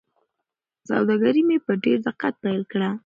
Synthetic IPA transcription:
sa̰wd̪aɡaɾimepəɖeɾd̪ɪqat̪̚pajlkɽa

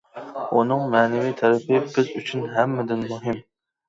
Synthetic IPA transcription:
unɨŋmɛːnɪvit̪ʰɛɾɛpɪbɪzyt͡ʃʰynɦɛmːɪd̪ɪnmuɦɪm

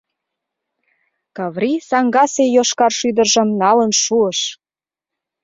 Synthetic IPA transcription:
kɑβrisɑŋɡɑsejoʃkɑrʃyd̪ərʒə̆mnɑlənʃuəʃ

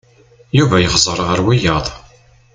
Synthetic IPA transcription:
juvæjəχzˤəɾˤʁəɾwijəðˤ

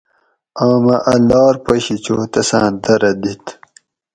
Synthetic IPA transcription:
aːmɐʔɐlɑːɾpɐɕit͡ɕoːt̪ɐsãːd̪ɐɾɐd̪it̪

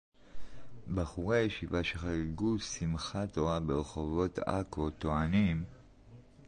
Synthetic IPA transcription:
baχuʁejʃivaʃeχaʁeɡusimχato̞ʁabeʁeχo̞vo̞ta̰kot̪oanim

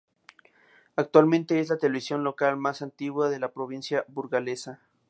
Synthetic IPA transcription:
ak̚t̪walmẽnt̪e̞eslat̪eleβisjo̞nlo̞kalmasant̪iɣwaðe̞lapɾoβinsjaβuɾɣale̞sa

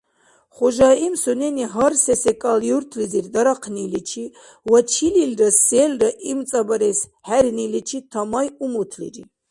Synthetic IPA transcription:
χɔʒaimsɔnɛniɦaɾsɛsɛkʼaljuɾt̪ʰliziɾd̪aɾaqʰnilit͡ʃʰi | wat͡ʃʰililɾasɛlɾaʔimt͡sʼabaɾɛshæɾnilit͡ʃʰit̪ʰamajumut̪ʰlḭɾi

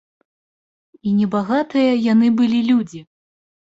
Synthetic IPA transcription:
inʲɛbaɣat̪ɨjɐjanɨbɨlʲilʲud͡zʲi

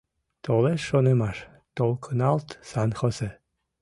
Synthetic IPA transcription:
t̪oleʃonemɑʃ | t̪olˠkʰənɑlˠt̪sɑnxose

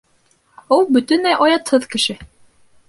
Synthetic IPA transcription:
ulˠbɵ̆t̪ɵ̆næjʔɑjɑt̪hɤðkɘ̆ʃɘ

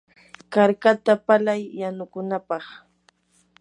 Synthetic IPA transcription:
kaɾkat̪apalajːanʊkʊnapɑχ

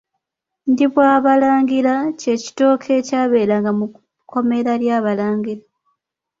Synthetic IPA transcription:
ndiβwaːβalaːŋɡilace̞ci̥to̞ːkʰe̞ːcaːβe̞ːlaŋɡamu | kʰo̞me̞ɾaljaːβalaːŋɡila

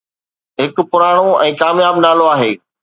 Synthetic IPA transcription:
ɦɪkʊpʊɾaːɽ̃oɛ̃ːkaːmjaːbnaːloaːɦeː

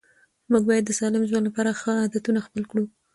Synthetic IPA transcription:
muɡ̚bɑjad̪ːəsɑlɪmʒwand̪lapɑɾaxəɑd̪at̪unaxpəlkɽu

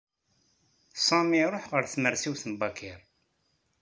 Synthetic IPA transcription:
sɑmiɾˤoħʁəɾθməɾsiwθənbɑkʰiɾ

